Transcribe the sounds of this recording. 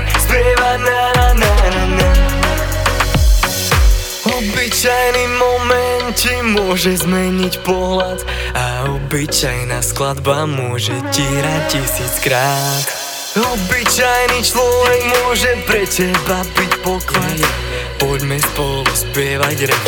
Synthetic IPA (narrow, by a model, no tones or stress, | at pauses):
spɛʋanaanaana | ɔbit͡ʃajnimɔmɛnt͡ʃimʊɔʒɛzmɛɲicpɔɦlat̪ | aɔbit͡ʃajnaːsklad̪bamʊɔʒɛciːɾacisiːt͡skɾaːt̪ | ɔbit͡ʃajnit͡ʃlɔvɛɡmʊɔʒɛpɾɛtɛbabicpɔkʋajɛ | pɔɟmɛspɔlluspɪɛʋaɟɾɛ